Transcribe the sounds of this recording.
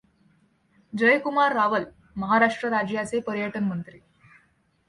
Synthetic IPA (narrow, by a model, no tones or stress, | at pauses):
d͡ʑəjkumaɾːaʋəl | məɦaɾaʂʈɾəɾad͡ʑjat͡sepəɾjəʈənmənt̪ɾi